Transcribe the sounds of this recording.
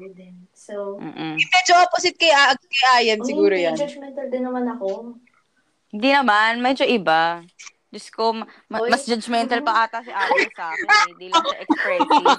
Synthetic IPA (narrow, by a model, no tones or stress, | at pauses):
d̪ɛ | som̩ːʔmɛd͡ʒoɐposɪt̪̚kɐjakɐjʔaːjɐnsɪɡuːɾojand͡ʒad͡ʒmɛnt̪ɐld̪ɪnːɐmanɐko | hɪnd̪inɐmanmɛːd͡ʒoʔɪba | d͡ʒɐskommɐmɐsd͡ʒɐd͡ʒmɛnt̪ɐlpɐʔaːt̪asɪʔaːtɐsaːkɪ̃nd̪iːlʔɛkɾɛ